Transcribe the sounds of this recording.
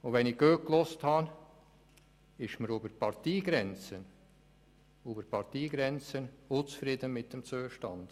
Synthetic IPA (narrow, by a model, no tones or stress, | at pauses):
ʊdʋɛnɪɡ̥øːk̚klʊsthɑn | ɪʃməɾyːbəpʰɑɾt̪iːɡɾɛnt͡sən | uːbəɾpʰɑɾt̪iːɡɾɛnt͡sənʊt͡sfɾiːd̪ənmɪt̪̚d̥ɛmt͡søːəʃtɑnd̪̥